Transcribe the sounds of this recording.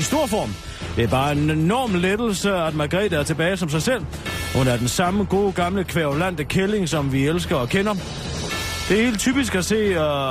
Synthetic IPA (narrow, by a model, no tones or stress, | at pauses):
isd̥o̝ɐ̰fɒ̰ːm | d̥eæɐb̥ɑ̈ːe̝nenɒ̰ːmled̥l̩səæd̥mæ̈ɡ̥ʁɛ̰ːdæɐt͡sʰe̝b̥ɛːɪsɒ̽ms̬ɑ̈ɪsel̰ | hunæɐd̥ensɑ̈məɡ̥o̝̰ːɡ̥ɑ̈mləkʰʋeɐʁolæn̰d̥əkʰele̝ŋsɒ̽mʋielsɡ̥ɐɒkʰenɐ | d̥e̝æhe̝̰ːld̚t͡sʰy̰ːb̥is̬ɡ̥æse̝̰ː